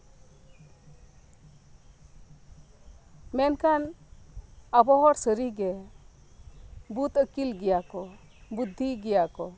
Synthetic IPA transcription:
mɛnkan | abɔɦɔɾsəɾiɡɛ | but̪əkilɡɛjakɔ | bud̪ʱːiɡɛjakɔ

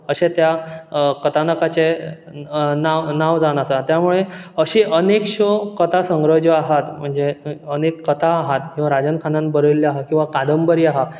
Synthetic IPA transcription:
əɕet̪jakət̪ʰanəkat͡se | naʋnaʋd͡zanasat̪jamuɭeəɕiʔənekɕəkət̪ʰasəŋɡɾəd͡ʑəaɦat̪m̤əɳd͡zeənekːət̪ʰaːɦat̪kĩʋaɾad͡zənkʰanãn̚bəɾəilːiaɦakĩw̃ʋakad̪əmbəɾiaɦa

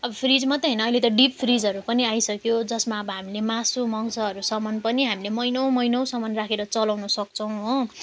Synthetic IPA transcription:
ʌbʌpʰrid͡zmʌt̪ʌɦʌjnʌːjlet̪ʌɖippʰrid͡zɦʌɾupʌniajsʌkjod͡zʌsmaʌbʌɦamilemasumʌŋsʰʌɦʌɾusʌmʌnpʌniɦamilemʌjnʌw̃mʌjnʌw̃sʌmʌnrakʰeɾʌt͡sʌlawnʌsʌk̚t͡sʰʌw̃ɦo

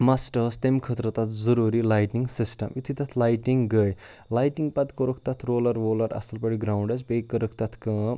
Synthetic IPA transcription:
masʈɐst̪emkʰət̪ɾɐt̪at̪ʰd͡zɐɾuɾilajʈiŋɡsisʈɐ̰mjut̪ʰit̪ɐt̪ʰlajʈiŋɡəj | lajʈiŋɡpɐt̪koɾuk̚ʰt̪at̪ʰɾoːlɐɾoːlɐɾɐ̰sɐlpɐɽiɡɾawɳɖesbekːɐɾɐk̚ʰt̪ɐt̪ʰkɐ

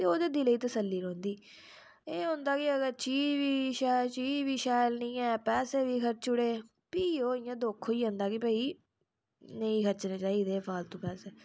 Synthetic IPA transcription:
t̪eːoːd̪eːd̪iːləiːt̪əsəlːiːɾɔːnd̪iː | eːɦõːnd̪aːkɪəɡəɾt͡ʃiːʋiːʃaːt͡ʃiːd͡ʒʋiːʃaːjlnĩːɛːpɛːseːʋiːkʰəɾt͡ʃʊɽeː | piːoːɪjãːd̪oːkʰːoːiːɦõːnd̪aːkɪpɛːiː | nəĩːkʰəɾt͡ʃnẽːt͡ʃaːiːd̪eːpʰaːlt̪õːpɛːsɛː

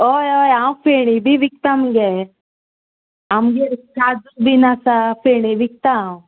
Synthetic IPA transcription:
ojojaw̃feɽ̃ibʱiʋik̚t̪amɡe | amɡeɾkaːd͡zukbinasafeɽ̃iʋik̚t̪aw

